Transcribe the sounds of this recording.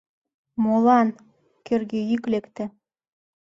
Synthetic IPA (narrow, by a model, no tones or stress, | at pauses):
molɑn | kørɣejyklekt̪ĕ